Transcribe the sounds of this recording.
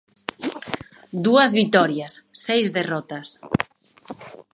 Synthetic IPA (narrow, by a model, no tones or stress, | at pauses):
d̪uɐzβit̪ɔɾjasːejzðerɔt̪ɐs